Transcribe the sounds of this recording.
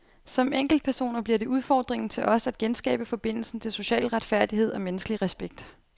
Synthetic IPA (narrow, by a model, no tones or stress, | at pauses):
sɒ̽meŋ̰ɡ̥l̩d̥̚pʰæɐso̝̰ːnɐb̥liɐɾe̝ʔuð̞ˠfɒ̰ːd̥ʁeŋn̩t͡sʰe̝lʔɒ̽sæd̥̚ɡ̥ensɡ̥ɛ̰ːb̥əfɒ̽b̥e̝n̰l̩sn̩t͡sʰe̝lso̝ɕɛ̰ːlʁad̥fæɐ̰d̥ihe̝ð̞̰ˠɒ̽menəsɡ̥liʁɛsb̥eɡ̥d̥